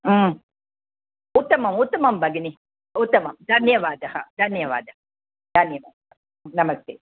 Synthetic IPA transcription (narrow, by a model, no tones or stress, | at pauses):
ut̪ːɐmɐmut̪ːɐmɐmbʱɐɡini | ut̪ːɐmɐmd̪ʱɐnjɐʋaːd̪ɐhɐd̪ʱɐnjɐʋa̰ːd̪ɐɦɐ | d̪̥ʱɐnjɐʋa̰ːd̪ɐɦɐ | nɐmɐst̪eː